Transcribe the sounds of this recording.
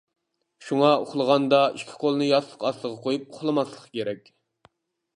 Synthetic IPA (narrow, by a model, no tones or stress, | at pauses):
ʃuŋɑo̰χlˠəʁɑnd̪ɑiʃkʲʰi̥qʰolˠnɨjɑslˠəqɑslˠəʁɑqʰojup̚oχlˠɨmɑslˠəχkʲʰeɾɛkʲ